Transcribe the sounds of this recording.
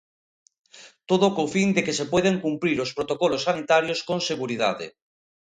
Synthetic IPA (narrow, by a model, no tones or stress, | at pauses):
t̪oðokowfind̪ekesepweð̞eŋkumpɾiɾospɾot̪okɔlosːanit̪aɾjoskoŋseɣuɾiða̰ðḛ